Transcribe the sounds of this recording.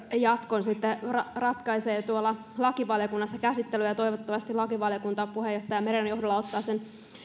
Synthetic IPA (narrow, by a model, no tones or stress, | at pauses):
jɑt̪konsit̪ːerɑrɑt̪kɑiseːt̪uolːɑlɑkiʋɑljokunːɑsːɑkæsit̪ːelyjɑt̪oiʋot̪ːɑʋɑst̪ilɑkiʋɑljokunt̪ɑpuhejoht̪ɑjɑmeɾiɑnjohdolːɑot̪ːɑːsen